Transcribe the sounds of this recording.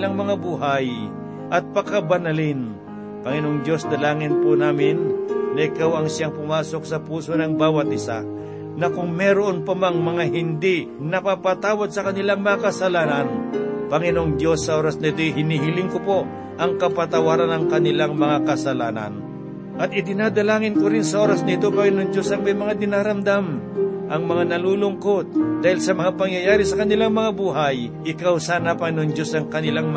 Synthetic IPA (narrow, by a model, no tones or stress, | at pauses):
laŋmɐŋabuɦaj | ʔɐt̪̚pɐkabɐnɐlɪn | pɐŋɪnoʔoŋd̪jo̞snɐlaːŋɪnpʊnaːmɪnːɐʔɪkawɐŋʃjaŋpʊmaːso̞k̚sɐpuːsonɐŋbaːwɐt̪̚ʔɪsa̰ | nɐkʊŋmɛɾoʔonpɐmaŋmɐŋaɦɪnd̪i | nɐpapat̪aːwad̪̚sɐkɐnɪlaŋmɐŋakɐsɐlaːnɐnpɐŋɪnoʔoŋd̪jo̞sːɐʔo̞ɾɐsnɐɪt̪ojɦɪniɦɪlɪŋkopo̞ | ʔɐŋkɐpɐt̪ɐwaːɾanɐŋkɐnɪlaŋmɐŋakɐsɐlaːna̰n | ʔɐt̪̚ɪd̪ɪnaːd̪ɐlaːŋɪnkʊɾɪnsɐʔoːɾɐsnɐɪt̪opɐŋɪnoŋd͡ʒo̞sɐŋmɐjmɐŋad̪ɪnaːɾɐmd̪amʔɐŋmɐŋanɐlulʊŋkot̪̚d̪aːhɪlsɐmɐŋapɐŋjɐjaːɾɪsɐkɐnɪlaŋmɐŋabuːɦajʔɪkawsaːnapɐŋɪnoŋd͡ʒo̞sɐŋkɐnɪlaŋm